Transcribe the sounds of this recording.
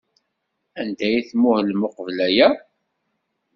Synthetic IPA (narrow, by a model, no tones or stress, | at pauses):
ænd̪æjiθmʊhlmʊqəvlæjæ